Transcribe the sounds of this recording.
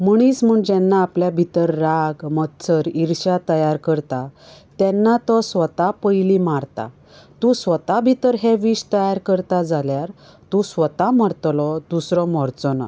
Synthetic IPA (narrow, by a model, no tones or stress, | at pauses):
məɳ̃it͡sm̤əːɳd͡ʑɛnːaːpljabʱit̪əɾːaɡmət̪t͡səɾiɾɕat̪əjaɾkəɾt̪at̪ɛnːat̪ɔsʋət̪apəjlimaɾt̪a̰ | t̪ũsʋət̪abʱit̪əɾɦɛʋiɕt̪əjaɾkəɾt̪ad͡zaljaɾ | t̪ũsʋət̪aməɾt̪lɔd̪usɾɔmɔɾt͡sɔna̰